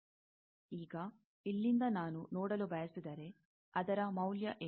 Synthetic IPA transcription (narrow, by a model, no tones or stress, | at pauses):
iːɡɐ | ilːind̪ɐnaːnunɔːɽɐlubʱɐjɐsid̪ɐɾe | ɐd̪ɐɾɐmɐwljɐʔe